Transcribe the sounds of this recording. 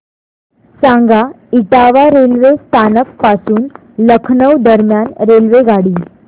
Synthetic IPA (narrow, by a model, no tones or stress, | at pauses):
sãŋɡa | iʈaʋaɾelʋest̪ʰanəkpasuːn | ləkʰnəwd̪əɾmjanɾelʋeɡaɽiː